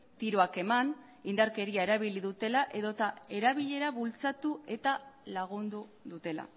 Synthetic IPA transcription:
t̪iɾo̞ake̞man | ind̪aɾke̞ɾiae̞ɾaβ̞iliðut̪e̞laʔe̞ðo̞t̪ae̞ɾaβ̞iʎe̞ɾaβult͡sat̪ue̞t̪alaɣ̞und̪uðut̪e̞la̰

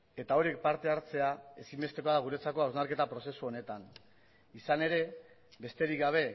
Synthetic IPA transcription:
e̞t̪ao̞ɾie̞k̚paɾt̪e̞aɾt͡se̞ae̞simbe̞st̪e̞koaðaɣ̞uɾe̞t͡sako̞awznaɾke̞t̪apɾo̞se̞suo̞ne̞t̪an | isane̞ɾe̞ | be̞st̪e̞ɾikɡaβ̞e̞

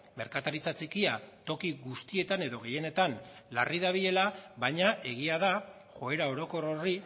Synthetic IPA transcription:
me̞ɾkat̪aɾit͡sat͡sikiat̪o̞kiɣust̪ie̞t̪ane̞ðo̞ɣ̞e̞je̞ne̞t̪anlariðaβ̞iðe̞laβajɲaʔe̞ɣ̞iaða | xo̞e̞ɾao̞ɾo̞ko̞ro̞ri

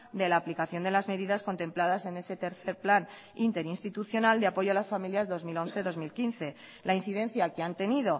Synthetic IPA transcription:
d̪e̞laːplikaθjo̞nd̪e̞lazme̞ðiðasko̞nt̪e̞mplaðase̞ne̞se̞t̪e̞ɾθe̞ɾplan | int̪e̞ɾinst̪it̪uθjo̞nald̪eapo̞jʝo̞alasfamiljazðo̞zmilo̞n̟θe̞ðo̞zmilkin̟θe̞ | lain̟θiðe̞n̟θjakeant̪e̞niðo̞

